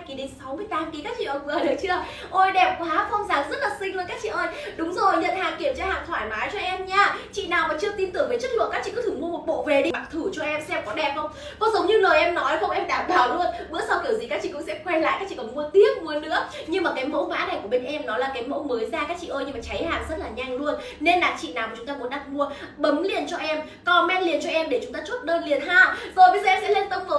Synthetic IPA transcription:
ki˨˩ɗe˨˦nsa˨˦wmɨ˧əjt̪aː˨˦mki˨˦kaː˦˥k̚t͡ɕḭ˧˨əː˧˩jvɗɨ˨˦˩t͡ɕɨ˧ə | ʔo˧jɗɛ˨˩p̚kwaː˨˦xə˧wŋ͡mzaː˨˩ŋzə˦˥t̚laː˨˩sï˧ŋ̟lu˧nkaː˦˥k̚t͡ɕḭ˧˨ʔəː˧jɗʊ˨˦ŋ͡mzo˨˩jɲə̰˧˨nhaː˨˩ŋki˧˩əmt͡ɕɔ˧ha̰ː˧˨ŋt̪ʰwaː˧˩jmaː˨˦jt͡ɕɔ˧ʔɛ˧mɲaː˧t͡ɕḭ˧˨naː˨˩wmaː˨˩t͡ɕɨ˧ət̪i˧nt̪ɨ˨˩əŋvəː˨˦jt͡ɕə˦˥t̚lɨ̰˧˨kaː˦˥t͡ɕḭ˧˨kɨ˧˥ɨ˧˩ŋmu˧əmo˨˩t̚ɓo̰˧˨ve˨˩ɗi˧ma˨˩k̚t̪ʰu˧˩t͡ɕɔ˧ʔɛ˧msɛ˧mkɔ˨˦ɗɛ˨˩p̚ʔə˧wŋ͡m | kɔ˨˦zə˨˦wŋ͡mɲɨ˧ləː˨˩jʔɛ˧mnɔ˨˦jxə˧wʔɛ˧mɗaː˧˩mɓaː˧˩wlu˧ənɓɨ˧˥əsa˧wki˧˩əwzi˨˩kaː˦˥k̚t͡ɕḭ˧˨kʊ̰˧˥ŋ͡msɛ̰˧˥xwɛ˧la̰ː˧˨jkːaː˦˥k̚t͡ɕḭ˧˨kɔ˨˧˩mu˧ət̪i˦˥ət̚mu˧˩˧nɨ̰˧˥ə | ɲɨ˧ŋmaː˨˩kaː˨˦jmo̰˧˥ŋa̰ː˧˥na˨˩jku˧˩əɓe˧ŋ̟ʔɛ˧mnɔ˨˦laː˨˩kaː˨˦jmo̰˧˥məː˨˦jzaː˧kaː˦˥k̚t͡ɕḭ˧˨ʔəː˧jɲɨ˧maː˨˩t͡ɕa˨˦jhaː˨˩nzə˦˥t̚laː˨˩ɲa˧˩ŋlu˧ən | ne˧nlaː˨˩t͡ɕḭ˧˨naː˨˩wkːt͡ɕʊ˨˦ŋ͡mt̪aː˧mu˨˦nɗa˨˩k̚mu˧ə | ɓə˨˦mli˨˩ənt͡ɕɔ˧ʔɛ˧m | kɔ˨˩mɛ˧nli˨˩ənt͡ɕɔ˧ʔɛ˧mɗe˧˩t͡ɕʊ˨˦ŋ͡mt̪aː˧t͡ɕu˦˥t̚ɗəː˧nli˨˩ənɦaː˨˩ŋzo˨˩jɓə˨˧˦zːɛ˧sɛ̰˧˥le˧nt̪ə˧ŋ͡mvə˨˦

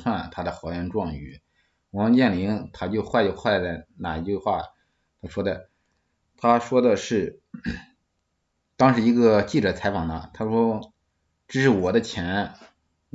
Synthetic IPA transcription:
xʰa˥˩nt̪ʰa˥d̪ə˨xɑ˧˥ʊɥɛ˥˧nʈ͡ʂwɑ˥˧ŋy̰˧˩ | wɑ˧˥ŋt͡ɕjɛ˥˩nli˧˥ŋt̪ʰa˥t͡ɕjo˥˧ʊxwa˥˩ɪt͡ɕxwa˥˩llə˧˩na˨˩i˧˥t͡ɕy˥˧xwa˥˩ | t̪ʰa˥ʂwɔ˥d̪ə˨˩ | t̪ʰa˥ʂwɔ˥d̪ə˨ʂɻ̩˥˩ | t̪ɑ˥ŋʂɻ̩˧˥i˧˥ɡə˧t͡ɕi˥˩ʈ͡ʂɤ˨˩t͡sʰa˧˥ɪfɑ˨˩ŋnə˦t̪ʰa˥ʂwɔ˥ | ʈ͡ʂɻ̩˥˧˥ʂɻ̩˥˩wɔ˨˩d̪ə˦t͡ɕʰjɛ˧˥n

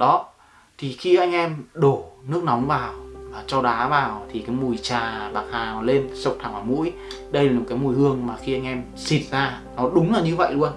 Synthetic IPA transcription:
ɗɔ˨˦ | t̪ʰi˨˩xi˧ʔa˧jŋ̟ʔɛ˧mɗo˧˩nɨ˦˥ək̚nɔ˨˦wŋ͡mvaː˨˩waː˨˩t͡ɕɔ˧ɗaː˨˦vaː˨˩wt̪ʰi˨˩kaː˨˦jmu˨˩əjt͡ɕaː˨˩ɓaː˨˩k̚haː˨˩nɔ˨˦le˧nsə˨˩w̚t̪ʰaː˨˩ŋʔaː˧˩mṵ˧˥əjɗə˧jlaː˨˩o˨˩kaː˨˦jmu˨˩jhɨ˧əŋmaː˨˩xi˧ʔa˧jŋ̟ʔɛ˧m | si˨˩n̚zaː˧ | nɔ˨˦ɗʊ˨˦ŋ͡mlaː˨˩ɲɨ˧və̰˧˨jlu˧ən

